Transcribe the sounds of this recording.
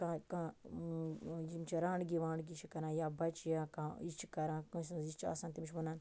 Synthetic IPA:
kãːkãː | jimt͡ʃʰiɾãːɳɖɡiʋãːɳɡit͡ʃʰikɐɾãːjaːbɐt͡ʃjãːkãːit͡ʃʰikɐɾãːkə̃snit͡ʃʰa̰ːsãːnt̪imt͡ʃʰmɐnaːn

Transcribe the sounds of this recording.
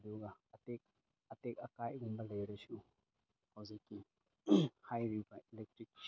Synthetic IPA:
duɡaɐtek̚ | ɐtek̚ɐkajɡumbɐlɐjɾɐsu | hɐwzikːi | hajɾibailek̚ʈɾik̚

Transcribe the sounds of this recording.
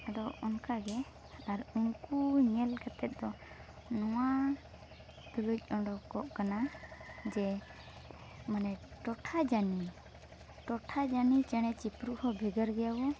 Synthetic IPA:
adɔɔnkaɡɛ | aɾuŋkuɲɛlkat̪ɛt̪̚ˀd̪ɔ | nɔwa | t̪uluc̚ˀɔɳɖɔkɔʔkanad͡ʒɛ | manɛʈɔʈʰad͡ʒani | ʈɔʈʰad͡ʒanit͡ʃɛɽ̃ɛt͡ʃipɾuhɔbʱɛɡəɾɡɛjawɔ

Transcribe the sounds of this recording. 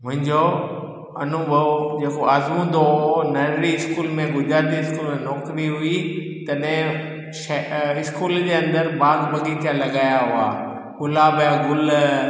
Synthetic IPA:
mʊ̃ɦɪ̃ɲd͡ʑo | ɐnʊbʱɐʋod͡ʑeːkoaːzmũd̪oonɐɾɾiɪskuːlmẽɡʱʊd͡ʑɾaːt̪iɪskuːlmẽnɔːkɾiɦʊi | t̪ɐɗɦɪ̃ | ʃɪskuːld͡ʑeːɐ̃nd̪əɾbaːɡbɐɡit̪ʰijãlɐɠaːjaɦuaː | kʊlaːbaɡʊl

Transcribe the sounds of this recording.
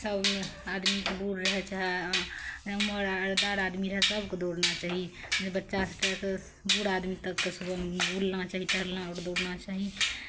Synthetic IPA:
səbad̪mikebuɽɾəɦɛt͡ʃaɦɛ | əməɾɾd̪aɾad̪miɾəɦɛsəbked̪oɽnat͡ʃaɦid͡ʒebətːʃasʈək | buɽad̪mit̪əkːesubəbulnat͡ʃaːɦit͡ʃəlaɔːɾd̪oɽnat͡ʃaːɦi

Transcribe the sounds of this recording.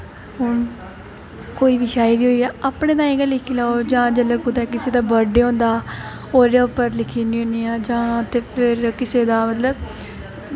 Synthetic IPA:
ɦʊn | koːiːʋiːʃaːiɾiːɦoːiːɛːapɽeːt̪ãːĩːkəlɪkʰiːlaːod͡ʒãːd͡ʒələkʊt̪aːk̬ɪseːd̪aːbəɖeːɦõːnd̪aː | oːɾjaːʊpːəɾlɪkʰiːnĩːoniːaːd͡ʒãːt̪eːpʰɪɾkɪseːd̪aːmət̪ləb

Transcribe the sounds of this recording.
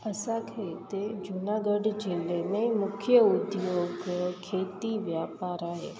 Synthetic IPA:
əsakʰet̪ed͡ʒʊnaːɡəɖd͡ʒɪlemẽmʊkʰjəʊd̪joːɡkʰːeːt̪iʋjaːpaːɾaːɦḛː

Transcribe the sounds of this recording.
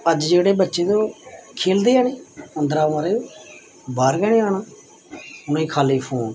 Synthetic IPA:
əd͡ʒd͡ʒeːɽeːbətːʃeːt̪õːkʰeːld̪iːaːniːənd̪ɾaːməɾeːoː | baːɾɡɛːnĩːaːɳaː | ʊnõːĩːkʰaːliːpʰoːn

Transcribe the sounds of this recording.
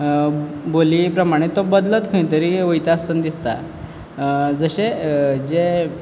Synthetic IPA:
boliːpɾəmaɽ̃et̪obəd̪lət̪kʰəĩt̪əɾiʋəjt̪aːst̪ənd̪ist̪a̰ | d͡zəɕed͡ze

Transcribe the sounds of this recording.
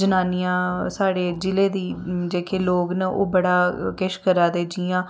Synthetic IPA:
d͡ʒənaːnɪjãːsaːɽeːd͡ʒɪleːd̪iːd͡ʒeːkʰeːloːɡnəʔo̰ːbəɽaːkɪʃkəɾaːd̪eːd͡ʒɪãː

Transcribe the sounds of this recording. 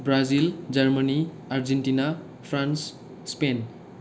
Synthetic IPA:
bɾazild͡zʌrməni | aɾd͡zeɳʈina | pʰɾans | spen

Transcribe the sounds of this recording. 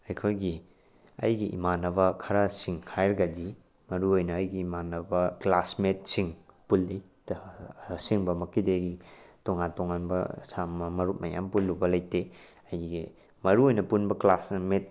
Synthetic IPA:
ɐjkʰojɡi | ɐ̰jɡiʔḭmanɐβɐkʰɐɾasiŋhʰajɾɡadi | mɐɾuojnɐːjɡiːmanːɐbɐklasmet̚siŋpulːi | siŋbɐmɐkideɡitoŋantoŋanbɐ̰samɐmɐɾut̚mɐja̰mpulːubɐlɐjte | ɐjɡi | mɐɾuojnɐpunbɐklasmet̚

